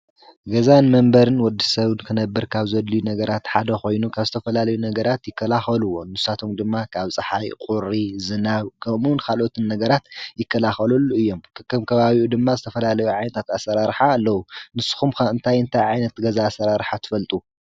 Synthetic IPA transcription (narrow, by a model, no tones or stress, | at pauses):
ɡɐzanmɐmbɐɾɨnwɔd̪ːisɐβɨnkʰɨnɐbːɨɾkʰaβzɐd̪ːijunɐɡɐɾat̪ħad̪ɐxo̞jnukʰaβzɨt̪ʰɐfɐlalɐjunɐɡɐɾat̪jɪkːɐlaxɐluwonɨsat̪ʰomd̪ɨmːakʰaβt͡sʼɨħajkʼuɾizɨnaβkʰɐmunkʰalʔo̞t̪ʰɨnːɐɡɐɾat̪jɪkʰːɐlaxɐlɐlːuɨjːo̞mkʰɨ̥kːɨmkʰɐβaβiʔud̪ɨmːazɨt̪ʰɐfɐlalɐjuʕajnɐt̪ʰat̪asːɐɾaɾħaːlːɐwunɨsu̥xumkɨnt̪ʰajɨnt̪ʰajʕajnɐt̪ɡɐzaːsːɐɾaɾħat̪ʰɨ̥fɐlt̪ʼu